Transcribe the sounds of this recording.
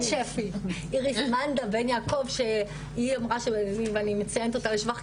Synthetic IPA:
ʃefi | iʁismand̪abenjakovʃe | iamʁaʃeveanimet͡sajent̪ot̪aliʃvaχ

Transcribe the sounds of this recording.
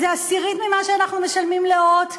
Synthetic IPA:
zeasiʁit̪mimaʃeanaχnumeʃalmimleot

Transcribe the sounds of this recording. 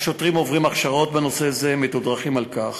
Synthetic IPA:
ʃo̞t̪ʁimo̞vʁimaχʃaʁo̞t̪beno̞se̞zemet̪od̪ʁaχimalkaχ

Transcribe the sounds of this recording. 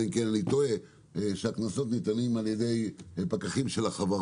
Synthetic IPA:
imkenlit̪oe | ʃeaknaso̞t̪nit̪animaljed̪e̞jpakaχimʃelaχava

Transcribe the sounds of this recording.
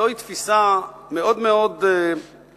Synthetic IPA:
ojt̪fisameo̞d̪meo̞d̪

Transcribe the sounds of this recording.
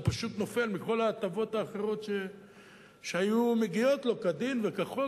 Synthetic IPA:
paʃut̪no̞fe̞lmiko̞laːt̪avo̞t̪aːχe̞ʁo̞t̪ʃe | ʃeajumeɡijo̞t̪lo̞kad̪invekaχo

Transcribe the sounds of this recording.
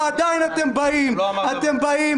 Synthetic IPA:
ad̪aːinɐt̪embɐimɐt̪embɐi

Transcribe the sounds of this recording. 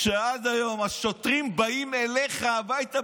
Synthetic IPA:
ʃead̪ajo̞maʃot̪ʁimbaimeleχavajt̪a

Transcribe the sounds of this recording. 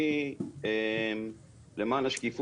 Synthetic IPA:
iem | lemaːnlaʃkif

